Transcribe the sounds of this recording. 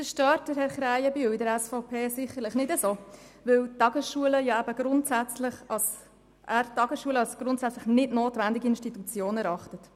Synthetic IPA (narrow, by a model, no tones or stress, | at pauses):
fəʃtœːtd̥əɾɦɛɾχɾæɪəbyidəɾɛsfɔʊpʰeːsɪχəɾlɪχnɪdəsoː | vɪwtɑɡəsʃuələjɑæb̥əɡ̥ɾʊntsæt͡slɪχɑs | ʔæːɾtːɑɡəsʃuələɑlsɡ̥ɾʊntsæt͡sləχnɪdnoːtvændɪɡiɪnʃtitut͡sjoːnɛɾɑχtət